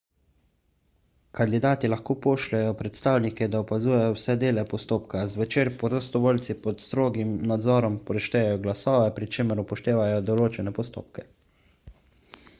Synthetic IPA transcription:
kand̪id̪aːt̪ilaxkoːpoːʃlɛjɔpɾɛt̪st̪aːwnikɛd̪aɔpazuːjɛjɔwsɛd̪eːlɛpɔst̪oːpkazʋɛt͡ʃeːɾpɔɾost̪ɔʋoːlt̪sipɔt̪st̪ɾoːɡimnad̪zɔːɾɔmpɔɾɛʃt̪ɛjɛjɔɡlasɔːʋɛpɾit͡ʃeːməɾupɔʃt̪eːʋajɔd̪ɔloːt͡ʃɛnɛpɔst̪o̰ːp̚kɛ̥

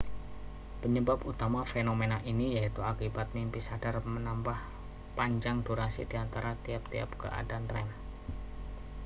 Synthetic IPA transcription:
pəɲəbaput̪amafenomenaʔinijait̪uakibat̪̚mimpisad̥armənambah | paɲd͡ʒaŋduɾasḭd̥iant̪aɾat̪iap̚t̪ia̰p̚kə̰ʔa̰danrɛm

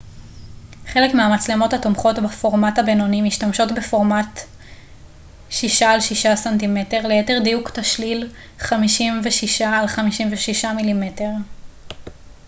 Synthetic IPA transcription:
χe̞le̞kmeamat͡sle̞mo̞thatomχo̞tbafo̞ʁmatabeno̞nimiʃtamʃo̞tbe̞fo̞ʁmat | ʃiʃaːlʃiʃasantime̞te̞ʁlejete̞ʁdijuktaʃlil | χamiʃimveʃiʃaːlχamiʃimveʃiʃamilimete̞ʁ

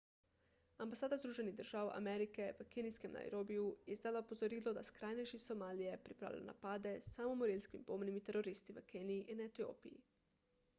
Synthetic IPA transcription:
ambasaːd̪azd̪ɾuːʒe̞niɣd̪r̩ʒ̥aːwa̰meɾikeʋəkenijskemna̰jɾoːbijujizd̪alaupo̞zoɾiːlod̪askɾaːjnejʃisomaːlijepɾipɾa̰ːlḭlo̰na̰paːd̪e̞samomoɾilʲskimboːmnimit̪eɾo̞ɾist̪iʋəkeːniiʔinet̪io̰ːpijḭ

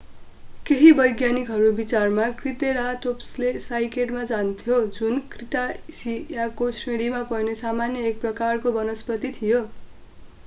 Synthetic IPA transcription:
keɦibʌjɡjanikɦʌɾubit͡sarmakrit̪eɾaʈopslesajkeʈmad͡zant̪ʰjod͡zunkrit̪asijakosreɽimapʌjnesamanjʌek̚prʌkarkobʌnʌspʌt̪it̪ʰijo

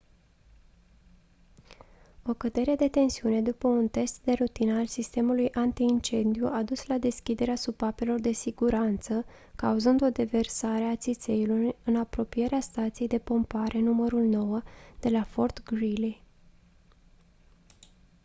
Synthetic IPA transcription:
o̞kəd̪e̞ɾe̞d̪e̞t̪e̞nsiune̞d̪upəunt̪e̞st̪d̪e̞rut̪inəalsist̪e̞mulujʔant̪iːnt͡ʃe̞nd̪iuʔad̪uslad̪e̞skʲid̪e̞ɾeasubape̞lo̞rd̪e̞siɡuɾant̪sə | kauzɨnd̪o̞d̪e̞ve̞rsaɾe̞at̪sit̪se̞ilurɨnapɾo̞pije̞ɾeast̪at̪sije̞jd̪e̞po̞mpaɾʔe̞numəɾulno̞wəd̪̥e̞lafo̞rt̪ɡɾili

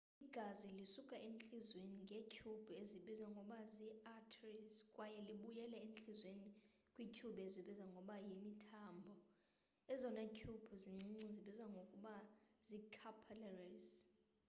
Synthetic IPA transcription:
iɡ̥ʱazilisukʼaʔent͡ɬʼizweniŋɡʱecʰub̥ʱueziɓizwaŋɡʱɔɓaziatʰriskʼwajɛliɓujɛlɛent͡ɬʼizweni | kʼwicʰuɓeziɓizwaŋɡʱɔɓajimitʰambʱɔ | ɛzɔnacʰub̥ʱuziŋ͡ǀiŋ͡ǀiziɓizwaŋɡʱokʼuɓazikʰapʰalɛriz

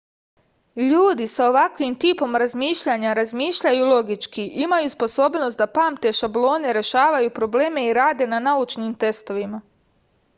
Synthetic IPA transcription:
ʎuːd̪isao̞ʋakʋimt̪iːpo̞mɾazmiːʃʎaɲaɾazmiːʃʎajulˠo̞ɡit͡ʃkiʔimajuspo̞so̞ːbno̞st̪d̪apaːmt̪e̞ʃablˠo̞ːne̞ɾe̞ʃaːʋajupɾo̞ble̞ːme̞iɾaːd̪e̞nanaut͡ʃnimt̪e̞st̪o̞ʋima

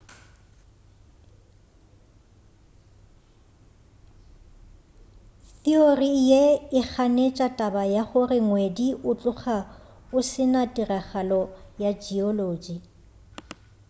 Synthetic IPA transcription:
θiorijeɪk͡xʰanet͡ʃʼatʼabajaχʊrɪŋwediʔʊt͡ɬʼʊχa | ʊsɪnadiraχalɔjad͡ʒiɔloːd͡ʒi

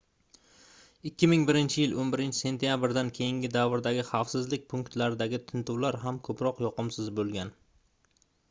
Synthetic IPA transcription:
ɪkʲːɪmɪŋbɪɾɪnt͡ʃʰɪjɪlonbɪɾɪnt͡ʃʰɪ̥se̞nt̪jabɪɾd̪ankʲʰe̞jɪŋɡʲɪd̪avɪɾd̪aɡʲɪχɑfsɪzlɪk̚ʲpʰʊŋkt̪laɾɪd̪aɡʲɪt̪ʰɪnt̪ʰuwlaɾɦamkʰɵpɾɒqjɒqɨmsɪzbolˠɡʲan

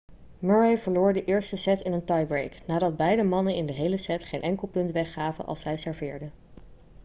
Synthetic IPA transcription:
møɹejv̥əɹloːɹdəʔɪːɹstəsɛtɪnəntɑjbɹejknaːdɑd̚bɛjdəmɑnənɪndəɦejləsɛtχejnʔɛŋkəlˠpɵntʋɛχːaːvə̰nʔɑ̰lˠsɛjsɛɹvɪːɹdə

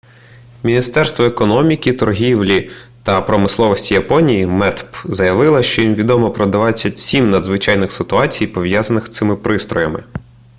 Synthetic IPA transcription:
mʲinʲist̪ɛrst̪ʋɔekɔnɔmʲikʲit̪ɔrɦʲiwlʲit̪ɐpɾɔmɪslˠɔʋɔsʲtʲijɐpɔnʲijimɛt̪pzɐjɐʋɪlˠɐʃt͡ʃɔjimʋʲid̪ɔmɔpɾɔd̪ʋɑt͡sʲːɐtʲsʲimnɐd̪zʋɪt͡ʃajnɪxsɪt̪ʊɑt͡sʲijpɔʋjazɐnɪxt̪sɪmɪpɾɪst̪ɾɔjɐmɪ̰

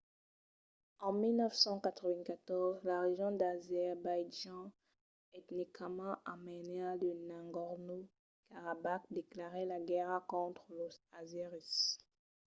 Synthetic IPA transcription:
ɑ̃milnœfsɑ̃kat̪χəvɛ̃kat̪ɔʁzlaʁeʒjɔ̃d̪azɛʁbajʒɑ̃ | ɛt̪nikmɑ̃ʔamənealənãŋɡɔʁno | kaʁabak̚d̪eklaʁɛlaɡɛʁakɔ̃t̪χəloazeʁis

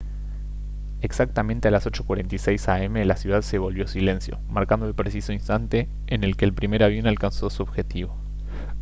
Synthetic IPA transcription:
eksak̚t̪amẽnt̪ealaso̞t͡ʃokwaɾent̪aijsejsae̞melasjuðaðseβ̞o̞lβjo̞sile̞nsjo̞̰maɾkand̪oelpɾesiso̞inst̪ant̪e̞ː | ne̞lkeːlpɾime̞ɾaβ̞jo̞nalkanso̞suoβxe̞t̪iβo̞

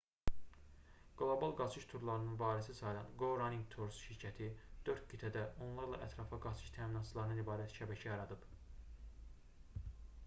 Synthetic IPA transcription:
ɡ̥lˠo̞bɑlˠɡɑt͡ʃʰɯʃt̪ʰuɾlˠɑɾɯnɯnvɑːɾisisɑjlˠɑ̰nɡo̞ɾɑniŋɡt̪ʰoɾsʃiɾcʰæt̪ʰid̪̥øɾt̪̚ɡit̪ʰæd̪æʔo̞nlˠɑɾlˠɑ̰ʔæt̪ʰɾɑfɑɡɑt͡ʃʰɯ̥ʃt̪ʰæːminɑt̪t͡ʃʰɯlˠɑɾɯnɯnibɑːɾæt̪ʃæbæcʰæjɑɾɑd̪ɯb̥

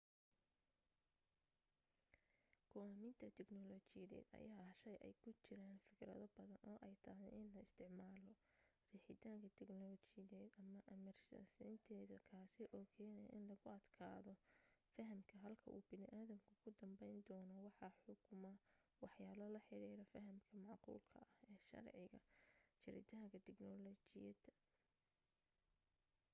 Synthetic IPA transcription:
kʊaːmɪnt̪ʰɐt̪ʰɛɡnɔlɔt͡ʃɪjɐðɛ̰ːd̪ɐ̰jaːʃɐjʔɛ̰jkʰʊt͡ʃɪɾaːnfɪkɾɐ̰ðɔbɐðɐnʔɔːʔɛjt̪ʰɐɦɛjʔɪnlɐɪst̪ʰɪʕmaːlɔ | riːħɪt̪ʰaːŋkʰɐt̪ʰɛɡnɔlt͡ʃɪɐðɛːd̪ɐmɐʔɐmɐrsɐ̰sɪnt̪ʰɛːðɐkʰaːsɪʔɔːkʰɛːnɛj̰ʔɪnlɐɣʊɐd̪̥kʰa̰ːðɔfɐɦɐmkʰɐɦɐlkʰɐʔṵːbɪnɪʔaːðɐmkʰʊkʰʊd̪ɐmbɛjnd̪ɔːnɔwɑħɑħʊkʰʊmɐwɑħjaːlɐlɐħɪɾiːɾɔfɐɦɐmkʰɐmɑʕqṵːlkʰɐ̰ʔɐhɛːʃɐ̰rʕɪɣɐ̰t͡ʃɪɾɪ̰t̪ʰaːŋkʰɐt̪ʰɪɡnɔlɔt͡ʃɪjɐd̪ɐ

